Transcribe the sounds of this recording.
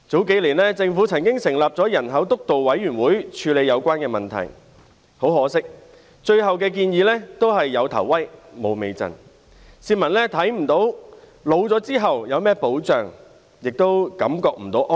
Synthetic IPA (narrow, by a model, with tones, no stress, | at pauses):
t͡so˨˥wke˨˥jliː˨˩nlɛː˥t͡sɪ˧ŋfuː˨˥t͡sʰɐ˨˩ŋkɪ˥ŋsɪ˨˩ŋlaː˨p̚t͡sɔː˨˥jɐ˨˩nɦɐ˨˥wt̪ʊ˥k̚t̪o˨wwɐ˨˥jːyː˨˩nwuː˨˥jt͡ʃʰyː˧le˨˧jɐ˨˧wkʷwaː˥nkɛː˧mɐ˨nt̪ʰɐ̰˨˩j | ho˨˥wɦɔː˨˥sɪ˥k̚ | t͡ʃɵ˧ɥɦɐ˨wk̬ɛː˧k̬iː˧njiː˨˥lɛː˥t̪o˥wɦɐ˨jːɐ˨˧wt̪ʰɐ̰˨˩wːɐ˥jmo˨˧wme˨jt͡sɐ̰˨˩n | siː˧mɐ˨˩nlɛː˥t̪ʰɐ˨˥jm̩˨˩t̪o˨˥w | lo˨˧wt͡sɔː˨˥t͡siː˥ɦɐ˨wjɐ˨˧wmɛː˥po˨˥wt͡sœː˨ŋ | jɪ˨k̚t̪o˥wkɐ̰˨˥mkɔː˧k̚m̩˨˩t̪o˨˥wʔɔ˥